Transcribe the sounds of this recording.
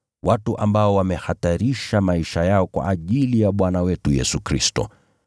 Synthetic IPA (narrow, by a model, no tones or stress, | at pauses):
watuʔambaɔwamɛhataɾiʃamaiʃajaɔkwa̰ʔːʄilijaɓwanawɛtujɛsukɾistɔ̰